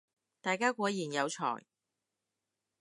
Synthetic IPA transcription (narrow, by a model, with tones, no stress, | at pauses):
t̪aː˨jkaː˥kʷɔː˨˥jiː˨˩njɐ˨˧wt͡ʃʰɔ̰ː˨˩j